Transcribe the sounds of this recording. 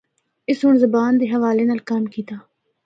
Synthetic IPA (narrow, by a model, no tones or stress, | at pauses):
ɪsɦʊɳzəbaːnd̪eːɦəʋaːleːnaːlkamkiːt̪aː